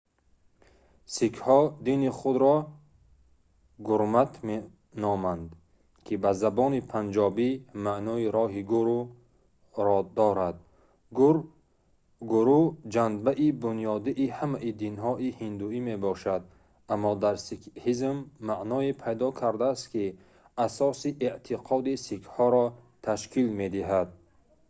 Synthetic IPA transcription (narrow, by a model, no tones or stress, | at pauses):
sikʰhɔd̪iniχud̪ɾɔ | ɡuɾmat̪ʰme | nɔmand̪ | kʰibazabɔnipʰand͡ʒɔbimaʔnɔːiɾɔɦiɡuɾu | ɾɔd̪ɔɾad̪ | ɡɾ | ɡuɾud͡ʒanbaʔibunijɔd̪iʔːhamaʔid̪inɦɔʔihind̪uime̞bɔʃad̪̚ | amːɔd̪aɾsikhizmːaʔnɔepʰajd̪ɔkʰaɾd̪aːst̪ki | asɔsiʔeʔt̪ʰiqʰɔd̪isikʰhɔɾɔt̪ʰaʃkʰilme̞d̪iɦad̪̚